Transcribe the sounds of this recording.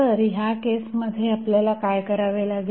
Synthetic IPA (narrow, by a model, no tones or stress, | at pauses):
əɾiɦakesməd̪ʱjeapljalakajkəɾaʋelaɡ